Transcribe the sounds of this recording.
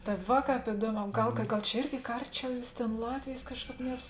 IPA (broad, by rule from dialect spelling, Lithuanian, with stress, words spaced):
tɐ ˈʋɐ ˈkɑːp ɪˈduɔˌmʲɛː ˈɡɐlˠ kɐ ˈɡɐlˠ t͡ʃʲɛ ˈɪrʲɡʲɪ kɐ ˈɐrʲˌt͡ʃʲɛʊ ˈjuːs ˈtʲeːn ˈlˠɑːtʲʋʲeːjeːs ˈkɑːʃˌkɑːp nʲɛs